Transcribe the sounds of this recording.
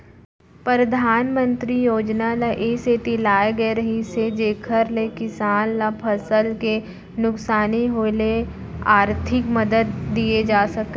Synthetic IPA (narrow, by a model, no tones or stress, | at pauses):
pəɾəd̪ʱaːnmə̃nt̪ɾijoːd͡ʒnalaʔeːset̪ilaːeɡəeɾɐɦised͡ʒeːkʰəɾlekɪsaːnlapʰɐsəlke | nʊksaːniɦoːle | aːɾt̪ʰɪkməd̪əd̪ːied͡ʒaːsɐke